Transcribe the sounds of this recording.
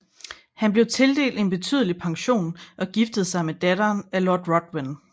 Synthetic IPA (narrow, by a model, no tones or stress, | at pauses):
hænb̥le̝ʊt͡sʰe̝ld̥e̝̰ːld̥e̝nb̥e̝t͡sʰy̰ːðˠəlipʰɑ̈ŋɕo̝̰ːnʔɒ̽ɡ̥ifd̥əð̞̩ˠsɑ̈ɪmed̥æɾɐːnælɔ̰ːd̥ʁɒd̥wen